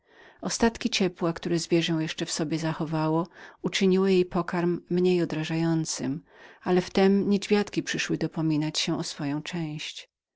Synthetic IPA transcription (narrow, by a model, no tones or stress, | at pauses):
ɔst̪at̪kʲit͡ɕɛpwakt̪uɾɛzvʲjɛʐɛ̃w̃jɛʂt͡ʂɛfsɔbʲɛzaxɔvawɔut͡ʂɘɲiwɘjejpɔkaɾmːɲejɔd̪ɾaʐajɔnt̪sɨm | alɛft̪ɛmɲed͡ʑvʲjat̪kʲipʂɘʂwɘd̪ɔpɔmʲinat͡ɕɕɛʔɔsfɔjɔ̃w̃t͡ʂɛ̃w̃ɕt͡ɕ